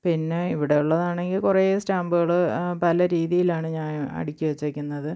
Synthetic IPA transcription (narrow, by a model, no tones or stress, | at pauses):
pinːe̞iʋiɽe̞uɭːɐðaːɳe̞ŋɡilkureːstaːmbɨɣɐɭɨpɐlɐɾiːðijilaːɳɨɲaːnɐ̰ɽikʲːuʋet͡ɕːuʋekʲːunːɐðɨ